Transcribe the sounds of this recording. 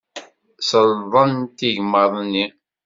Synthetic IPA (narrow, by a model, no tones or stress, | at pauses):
səlðˤɑnt̪iʝməðˤnːi